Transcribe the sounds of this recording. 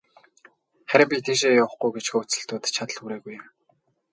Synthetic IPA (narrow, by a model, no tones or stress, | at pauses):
χæɾʲɪ̆mpʲit̪ʰiːʃ̬eːjawə̆χɡujɡet͡ɕxo̥ːt͡sɘ̆ɬt̪uːt̪t͡ɕʰat̪ə̆ɮxuɾeːɣuj